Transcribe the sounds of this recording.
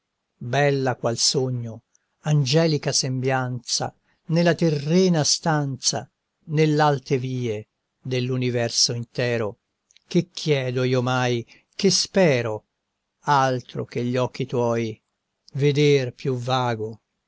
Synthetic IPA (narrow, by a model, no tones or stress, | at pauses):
bɛlːakwalsoɲːo | and͡ʒɛːlikasembjant̪sa̰ | nelːat̪erːɛːnast̪ant̪sa̰ | nelalt̪eviːe | d̪elːunivɛrsoint̪ɛːɾo | kekʰːjɛːd̪oiːomaj | kespɛːɾo | alt̪ɾo̰k̟eʎːɔk̟ːit̪wɔj | ved̪erpjuvaːɡo